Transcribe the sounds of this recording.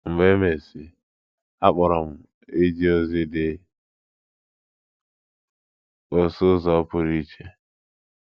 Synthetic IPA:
m̩˨me˦me˨sɪ˨ | a˦k͡pʊ˨ɾɔ˨m̩˨ | e˦d͡ʒi˦o˦zɪ˦dɪ˦ | o˨sʊ˦zɔ˨˦pʊ˦ɾi˦t͡ʃe˦

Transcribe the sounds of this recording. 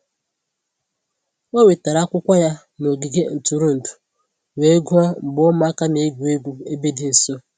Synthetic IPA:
o˦we˨ta˨ɾa˦kʷʊ˦kʷa˦ja˦ | no˨ɡi˨ɡe˦n̩˨tu˨ɾu˦n̩˨tu̥˨ | we˨e˦ɡu˦ɔ˦m̩˨bʊ˦ma˦ka˦ne˨˦ɡʷu˨e˦ɡʷu˦e˦be˦dɪ˨n̩˨so˦

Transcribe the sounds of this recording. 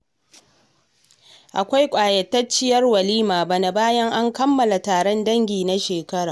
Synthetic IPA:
ʔa˨kʷa˦jkʷʼaː˨jɐ˨tːɐ˦t͡ʃːɪ˦jɐ˦rwɐ˨liː˦maː˨ba˨na˨baː˦jɐ˦ŋʔa˦ŋkɐ˦mːɐ˨la˨taː˨ɽɔ˦ndɐ˦ŋɡʲiː˨na˦ʃeː˨kɐ˦ɽaː˨

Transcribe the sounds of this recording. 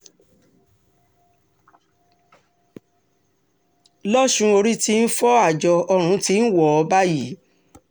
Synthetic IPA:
lɔ˦ʃũ˧o˧ɾi˦ti˦n̩˦fɔ˦a˦˨d͡ʒɔ˧ɔ˧ɾ̃ũ˨˧˦ti˧˦n̩˦wɔ˨ɔ˧ba˦ji˨˦

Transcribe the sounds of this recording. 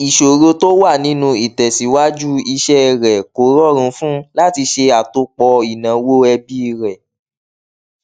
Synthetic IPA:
i˨ʃo˨ɾo˧to˦wa˦˨nĩ˦nũ˧i˨tɛ˨si˨˦wa˦d͡ʒu˦i˧ʃɛ˦˧˨ɾɛ˨ko˨˦ɾɔ˦˨ɾ̃ũ˧˦fũ˦la˦ti˧ʃe˧a˨to˧k͡pɔ˧i˨nã˨wo˦ɛ˧bi˦˧ɾɛ˨

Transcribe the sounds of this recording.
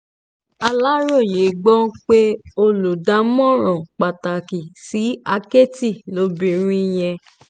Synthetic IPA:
a˧la˦ɾo˦˨je˨˦ɡ͡bɔ̃˦k͡pe˦o˧lu˨da˨˦mɔ̃˦˨ɾ̃ɔ̃˨k͡pa˨ta˨ki˨si˨˦a˦ke˦ti˦˨lo˨˦bĩ˧ɾ̃ĩ˦j̃ɛ̃˧

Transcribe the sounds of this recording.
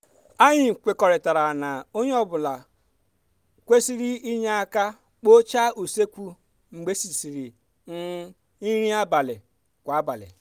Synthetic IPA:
a˦ɲɪ˨kʷe˨kɔ˨ɾɪ˨ta˨ɾa˨na˨o˦ɲe˦ɔ˦bʊ˨la˨ | kʷe˦si˦ɾi˦i˦ɲa˦a˦ka˦ | k͡po˦t͡ʃa˦u˨se˦kʷu˦ | ŋ͡m̩˨ɡ͡be˦si˨si˨ɾi˨ | n̩˦ | i˦ɾi˦a˦ba˨lɪ˨ | kʷa˨a˦ba˨lɪ̰˨

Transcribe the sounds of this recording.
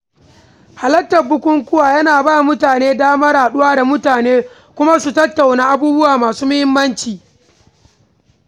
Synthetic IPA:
ha˨lɐ˦tːɐ˨bʊ˦kʷʊ˦ŋkʷʊ˦waː˨jɐ˦naː˨baː˦˨mʊ˦taː˨neː˦daː˦mɐ˦ɾaː˨ɗʊ˦waː˦da˨mʊ˦taː˨neː˦ | kʷʊ˦ma˦su˨tɐ˦tːa˨wnaː˦ʔa˦buː˦bʊ˦waː˨maː˨suː˦mʊ˦hɪ˦mːɐ˦nt͡ʃiː˨

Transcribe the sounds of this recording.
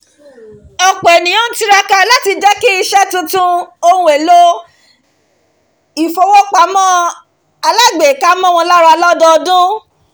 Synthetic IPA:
ɔ˨k͡pɔ˨ɛ˨nĩ˨õ˦n̩˦ti˦ɾa˦ka˧la˦ti˧d͡ʒɛ˦ki˦i˧ʃɛ˦tũ˧˦tũ˦o˧˦ũ˧˦e˨lo˦ | i˨fo˧wo˦k͡pa˧mɔ̃˦ | a˧la˦˨ɡ͡be˨ka˦mɔ̃˦˨w̃ɔ̃˧la˦ɾa˧lɔ˦dɔ˦˧dũ˦

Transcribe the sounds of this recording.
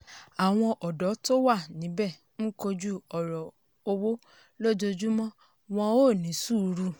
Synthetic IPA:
a˨w̃ɔ̃˧ʔɔ˨dɔ˨˦to˦wa˦˨nĩ˨˦bɛ˦˨ | n̩˦ko˧d͡ʒu˦ɔ˨ɾɔ˨ | o˧wo˦ | lo˦d͡ʒo˧d͡ʒu˦mɔ̃˦ | w̃ɔ̃˧oː˦˨nĩ˨˦su˦˨˧ɾu˧˦

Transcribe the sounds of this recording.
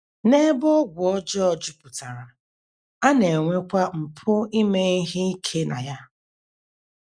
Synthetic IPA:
ne˦bʊ˦ɡʷʊ˨ɔ˦d͡ʒɔ˦ɔ˨d͡ʒʊ˦pʊ˨ta˨ɾa˨ | a˦ne˨ŋʷe˦kʷa˦m̩˨pʰʊ˦i˦me˦i˦ɦɪ˦i˦kʰe˦na˨ja˦

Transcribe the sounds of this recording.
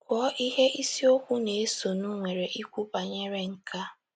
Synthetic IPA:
kʷɔ˦ʔi˦ɦe˦ʔi˦si˦o˦kʷu˦ne˨e˦so˨nu˦ŋʷe˨ɾe˨ʔi˦kʷu˦ba˨ɲe˦ɾe˦ŋ̩˦ka˦

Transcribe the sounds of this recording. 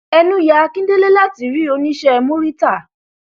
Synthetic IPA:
ɛ˧nũ˦ja˨˧˦kĩ˦de˦le˦la˦ti˨ɾi˨˦˨o˨˦nĩ˦ʃɛ˦˧mũ˦ɾi˦ta˦˨

